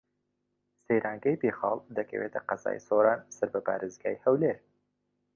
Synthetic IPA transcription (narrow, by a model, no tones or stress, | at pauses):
sejɾʔaːŋɡɐjpeχɑːlˠd̪ɐkʰɐ̰wḛːt̪ʰɐqɐza̰ːjsoɾɑːnsɐɾbɐpʰa̰ːɾezɡaːjhɐwleɾ